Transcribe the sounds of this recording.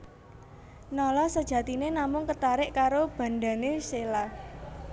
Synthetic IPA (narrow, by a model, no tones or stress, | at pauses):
nɔlɔsəd̥ʒ̥ä̤t̪inenamʊŋkət̪aɾɪʔkaɾob̥ä̤nɖa̤nesela